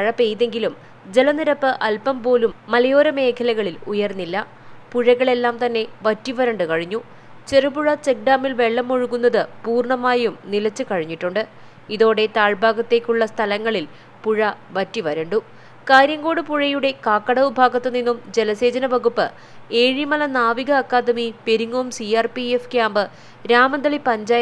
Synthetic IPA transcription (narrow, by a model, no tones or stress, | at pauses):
ɐɻɐpːe̞jðe̞ŋɡilum | d͡ʑe̞lɐniɾɐpːɨʔɐlpɐmpo̞ːlumːɐlɐjo̞ːɾɐme̞ːkʰɐlɐɣɐɭilujɐrnːilːɐ | puɻɐɣɐɭe̞lːaːmt̪ɐnːe̞ʋɐtːiʋɐɾɐɳɖɨkɐɻiɲːu | t͡ɕe̞rubuɻɐt͡ɕek̚ɖaːmilʋe̞ɭːɐmoɻukunːɐðɨpuːrɳɐmaːjɐjumnilɐt͡ɕːɨkɐɻiɲːiʈːuɳɖɨ | iðo̞ːɽe̞t̪aːɭbʱaːɡɐt̪ːe̞ːkʲːuɭːɐst̪ʰɐlɐŋːɐɭil | puɻɐʋɐtːiʋɐɾɐɳɖu | kaːɾjɐŋɡo̞ːɽɨpuɻɐjuɽe̞kaːkːɐɽɐʋubʱaːɡɐt̪ːɨninːumd͡ʑe̞lɐse̞ːd͡ʑɐnɐʋɐɣupːɨ̰ | eːɻimɐlɐnaːʋiɣɐːkːaːd̪ɐmipe̞ɾuŋːoːmsiaːrpiefkʲjaːmbɨ | ɾaːmɐnd̪ɐɭipɐɲd͡ʑaːj